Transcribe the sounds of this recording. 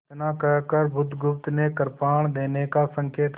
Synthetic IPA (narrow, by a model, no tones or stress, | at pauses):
t̪nakəkəɾbʊd̪ɡʊpt̪nekəɾpaːɳ̃d̪eːnekasə̃ŋkeːt̪